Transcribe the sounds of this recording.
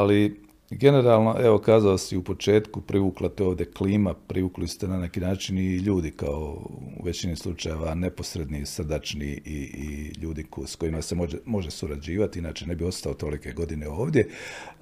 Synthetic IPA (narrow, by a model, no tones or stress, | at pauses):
ali | ɡe̞ne̞ɾaːlˠno̞ʔeʋo̞kaːzalosiupo̞t͡ʃe̞ːt̪kupɾiʋuːklˠat̪ɛoːʋd̪je̞kliːmapɾʔiʋuːklist̪enane̞kiːnaːt͡ʃiniʎuːd̪ikao̰ʋe̞t͡ɕinislˠut͡ʃajeʋane̞po̞sɾe̞d̪nisr̩d̪at͡ʃnḭiiʎuːd̪iksko̞imaseoemo̞ʒesuɾad͡ʑiːʋat̪iinaːt͡ʃene̞bio̞st̪aot̪o̞like̞ɡo̞d̪ine̞o̞ːʋd̪ʲje̞